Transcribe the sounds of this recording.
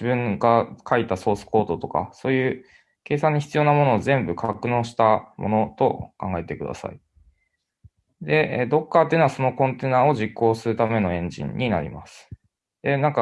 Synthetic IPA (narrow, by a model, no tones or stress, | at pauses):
d͡ʑibɯ̟̃ŋɡakʰait̪aso̞ːsɨ̥ko̞ːt̪o̞t̪o̞ka̰so̞ːjɯ̟ː | ke̞ːsãɲ̟ːiçi̥t͡sɨjo̞ːnamo̞no̞ːzẽ̞mbɯ̟kʰakɯ̟no̞ːɕi̥t̪amʔo̞̰no̞t̪o̞kãŋɡae̞t̪e̞kɯ̟d̪a̰sa̰ḭ | d̪e̞d̪o̞kːat̪eːnoasono̞kõ̞nt̪e̞ːnaːo̞ʑikːo̞ːsɨɾɯ̟t̪ame̞no̞ẽ̞ɲ̟d͡ʑḭ̃ɲ̟ːʔina̰ɾʲḭmasɨ̥ | d̪̥e̞nãŋka